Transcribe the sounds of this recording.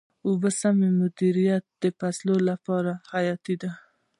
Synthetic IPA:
ʊbəsamemʊd̪iɾijat̪̚d̪̥əpaslolapɑɾahajɑt̪id̪a

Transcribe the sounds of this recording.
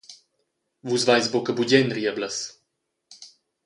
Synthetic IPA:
vuzvajzbokəbuɟɛnɾiəbləs

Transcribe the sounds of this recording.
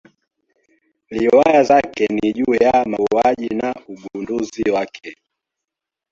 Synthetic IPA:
liwajazakɛniʄujamauaʄinauɡunduziwakʰɛ

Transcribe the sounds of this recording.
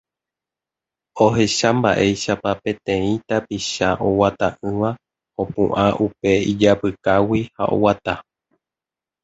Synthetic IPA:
o̞ɦe̞ʃamba̰ʔe̞jʃapapẽ̞t̪ẽ̞ĩt̪apiʃaʔo̞wat̪aʔɨ̃ʋa | õ̞pṵ̃ʔãʔupe̞id͡ʒapɨkawiha̰ʔo̞̰wat̪a

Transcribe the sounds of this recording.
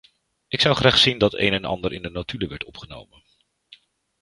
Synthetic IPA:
ʔɪksʌwχraːχsindɑtḛjnɛnɑ̰ndəɾʔɪndənotyləʋɛɹtɔpχəno̰wmən

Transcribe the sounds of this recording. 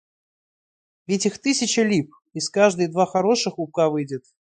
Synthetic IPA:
vʲɪtʲixt̪ɨsʲɪt͡ɕəlʲip̚ | iskaʐd̪ɨjd̪vaxɐɾo̞ʂɨxʊp̚kavɨjdʲɪt̪

